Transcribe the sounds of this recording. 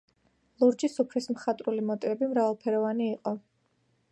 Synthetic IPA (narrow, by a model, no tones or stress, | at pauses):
lˠuɾd͡ʒisupʰɾismχat̪ʼɾulimɔt̪ʼivɛbimɾavalˠpʰɛɾɔvaniːqʼɔ